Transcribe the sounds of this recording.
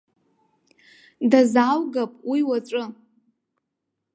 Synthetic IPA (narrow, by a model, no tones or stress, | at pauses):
dazawɡapʼwʔiwaʈ͡ʂʷʼɨ